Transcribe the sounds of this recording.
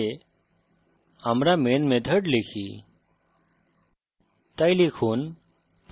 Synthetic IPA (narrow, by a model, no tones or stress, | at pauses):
e | amɾamenmed̪ʱəɽlekʰi | t̪ajlikʰuːn | p